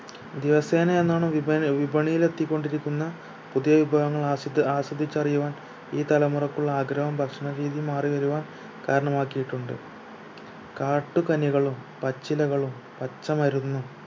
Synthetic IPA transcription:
d̪iʋɐse̞ːnɐenːaːɳɨʋibʱɐɳijile̞t̪ːikːo̞ɳɖiɾikʲːunːɐ | puðijɐʋibʱaːɣɐŋːɐɭaaːsɐd̪ʱːit͡ɕːɐrijuʋaːn | iːt̪ɐlɐmurɐkːuɭːɐaːɡɾɐɦɐmbʱɐkʂɐɳɐɾiːðimaːriʋɐɾuʋaːn | kaːɾɐɳɐmaːkːijiʈːuɳɖɨ̰ | kaːʈːukɐniɣɐɭum | pɐt͡ɕːilɐɣɐɭum | pɐt͡ɕːɐmɐɾunːu

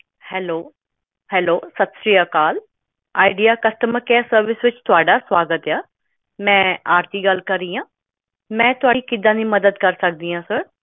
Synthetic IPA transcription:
hɛːloː | hɛːloːsət̪sɾiːjaːkaːl | aːɪɖijaːkəsʈəməɾkɛːsəɾʋɪsʋɪt͡ʃt̪ʊaːɖaːswaːɡət̪aː | mɛ̃ːaːɾt̪iːɡəlkəɾːiːãː | mɛ̃ːt̪ʊaːiːkɪd̪ãːnĩːməd̪əd̪kəɾsək̚d̪iːãːsəɾ

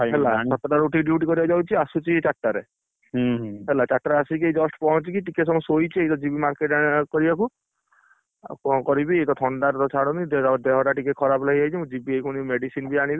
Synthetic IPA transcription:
ɦɛlaɔt̪ɾaɾuʈiɖjuʈkɔɾibɔd͡ʒawt͡ʃʰiasut͡ʃit͡ʃaʈːaɾe | ɦelat͡ʃaʈːɾasik̬iejd͡ʒɔsʈpɔɦɔ̃nt͡ʃikiʈikesɔmɔsojt͡ʃʰiejt̪ɔd͡ʒibimaɾkeʈakɔɾibaku | kɔ̃kɔɾibiejt̪ɔt̪ʰɔɳɖaɾt̪ɔt͡ʃʰaɽ̃ɔnid̪d̪eɦɔʈaʈikekʰɔɾaplaɦiajt͡ʃʰimũd͡ʒibiejkʰuñimeɖisinbiaɽ̃ibi

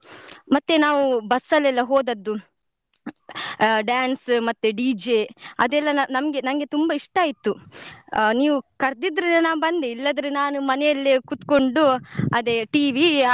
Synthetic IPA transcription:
mɐt̪ːenaːʋubɐsːɐlɛlːɐɦoːd̪ɐd̪ːu | ɖjaːnsmɐt̪ːeɖiːd͡ʒeɐd̪ɛlːɐnɐnɐmɐɡe̞nɐmɐɡe̞t̪umbɐiʂʈaːjit̪ːu | niːʋukɐɾd̪id̪ɾinɐnaːʋbɐnd̪eilːɐd̪ɾenaːnumɐnɛjɐlːekut̪ko̞ɳɖuɐd̪eʈiːʋi

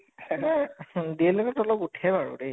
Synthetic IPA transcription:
diɛlokɔtɔlɔputʰɛbaɹʊ̰de

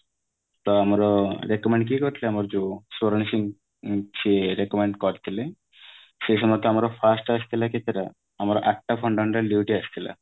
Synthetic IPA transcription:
t̪ɔamaɾɔɾekɔmeɳɖ̚k̬ikɔɾt̪ʰileamaɾd͡ʒosoɾnisiŋ | t͡ʃʰiɾekɔmeɳɖkɔɾt̪ʰile | ʃeʃɔmɔt̪ɔamaɾɔpʰasʈast̪ʰilakʰet̪ʰeɾa | amaɾɔʔɛk̚ʈapʰɔɳɖaɳɖaliuʈiast̪ʰila̰

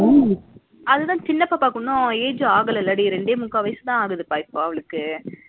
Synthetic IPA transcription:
aː | ɐðɯt̪ãːt͡ʃɪnːɐpːaːpːaːkʊɳːõeːd͡ʒɯaːɣɐlɐlːɐɽiɾɛɳɖeːmʊkːaːʋɐjsɯt̪ãːaːɣɯðɯpaːɪpːõːɐʋɐɭɯkːɯ

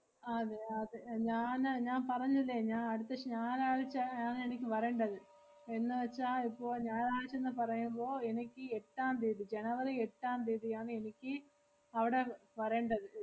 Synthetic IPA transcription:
ɐðeɐðeɲaːnɲaːnpɐrɐɲːɐðilːeɲaːnɐɽut̪ːɐɕɲaːlaːɻit͡ɕːɐaːne̞nikʲːɨʋɐreːɳɖɐðɨ | e̞nːɨʋɐt͡ɕːaːipːo̞ːɭɲaːlaːɻit͡ɕːenːɨpɐrɐjumbo̞ːe̞nikʲːɨeʈːaːnd̪iːðid͡ʑenɐʋɐlieʈːaːnd̪iːðijaːɳɨe̞nikʲːɨ | ɐʋiɽe̞ʋɐre̞ːɳɖɐðɨ

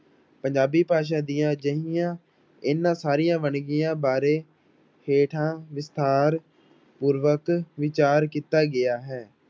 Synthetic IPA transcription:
pəɲd͡ʒaːbiːpaːʃ̬ãːd̪iːãːd͡ʒəɦɪjãː | ɪnãːsaːɾijãːʋəɳɡijãːbaːɾeː | heːʈʰãːʋɪst̪ʰaːɾ | puːɾʋəkʋɪt͡ʃaːɾkiːt̪aːɡɪaːɦɛː

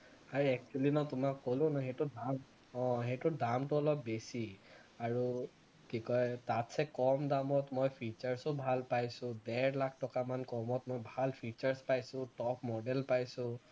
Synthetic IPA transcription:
aɹiɛk̚t͡ʃulinɔtʊmakːolʊ̃nɔxetʊdam | ɔ̃ɦetʊdamtʊɔlɔpːesi | aɹu | kikɔjtatsɛkɔmdamɔtmojpʰit͡ʃaɹsɔbʱalpajsʊ̃dɛɹlak̚ʰtɔkamankɔmɔtmojbʱalpʰit͡ʃaɹspajsʊ̃tɔpʰmɔdɛlpajsʊ̃

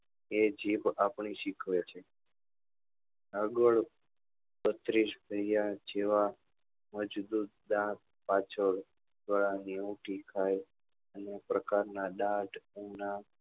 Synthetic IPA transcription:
ed͡ʒiʋapɳiʃikʰʋet͡ʃʰe | əɡəɭ | bət̪ɾiʃbʱəjjad͡ʒeʋa | məd͡ʒd̪ut̪̚d̪ãk̚ | pat͡ʃʰəɽ | d̪ʋaɭaniuʈikʰaj | ənepɾəkaɾnaɗãʈuna

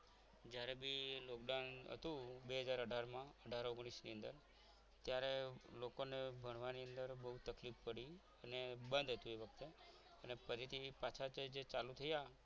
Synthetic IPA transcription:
d͡ʒjaɾebilokɖanɦə̰t̪ũbeɦəd͡ʒaɾəɖʱaɾmãəɖʱaɾoɡɽ̃isniənd̪ə̰ɾ | t̪jaɾelokonebʱəɳ̃ʋaniənd̪əɾbəɦut̪əklifpəɽi | ənebənd̪ʱɦət̪ũeʋək̚ʰt̪e | ənepəɾit̪ʰipat͡ʃʰat͡ʃd͡ʒet͡ʃalut̪ʰəja

